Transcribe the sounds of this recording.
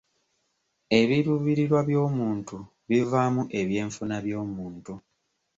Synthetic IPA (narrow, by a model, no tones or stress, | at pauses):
e̞βiɾuβiɾiɾwaβjo̞ːmuːntu | βivaːmuʔe̞βje̞ːɱfunaβjo̞ːmuːntu